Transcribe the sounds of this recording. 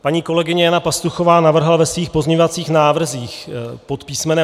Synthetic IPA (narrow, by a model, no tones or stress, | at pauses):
paɲiːko̞lɛɡɪɲɛjanapast̪uxo̞vaːnavr̩ɦalvɛsviːxpo̞zɲeɲovat͡siːxnaːvr̩ziːxpo̞t̪piːsmɛnɛ